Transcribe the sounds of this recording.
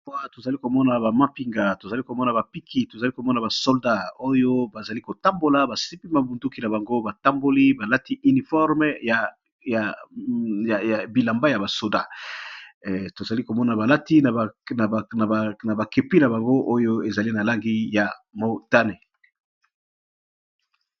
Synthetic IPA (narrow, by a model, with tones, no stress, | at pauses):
wa˦to˨za˨li˦ko˨mɔ˦na˨ba˨mã˦pi˨ŋɡa˨to˨za˨li˦ko˨mɔ˦na˨ba˨pi˦kʰi˦to˨za˨li˦ko˨mɔ˦na˨ba˨sɔ˦lda˦o˦jo˦ba˨za˨li˦ko˨ta˦mbo˨la˨ba˨si˦pi˦ma˨bu˨ndu˦ki˦na˨ba˨ŋɡo˦ba˨ta˦mbo˦li˦ba˨la˦ti˦ʔy˨ni˨fɔ˦ʁm˦ja˨ | ja˨ | ja˨ja˨bi˨la˨mba˦ja˨ba˨so˨da˦ | to˨za˨li˦ko˨mɔ˦na˨ba˨la˦ti˦˨n˨na˨na˨ba˨ke˨pi˦na˨ba˨ŋɡo˦ʔo˦jo˦e˨za˨li˦na˨la˦ŋɡi˦ja˨mo˨ta˦ne˨